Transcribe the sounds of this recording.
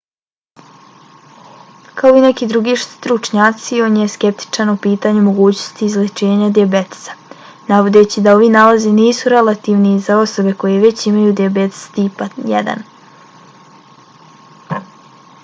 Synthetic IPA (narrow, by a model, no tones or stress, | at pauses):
kʰao̞ine̞kid̪ɾuɡiʃt̪ɾut͡ʃɲaːt̪sio̞njeske̞p̚t̪i̥t͡ʃanupiːt̪aɲumo̞ɡuːt͡ɕnost̪iːzlet͡ʃe̞ːɲad̪iabe̞t̪e̥sḁ | naʋo̞d̪et͡ɕid̪ao̞ʋinalaziniːsuɾe̞lat̪iːʋnizao̞so̞be̞ko̞jeʋe̞t͡ɕimajud̪iabet̪e̥st̪iːpajḛd̪a̰n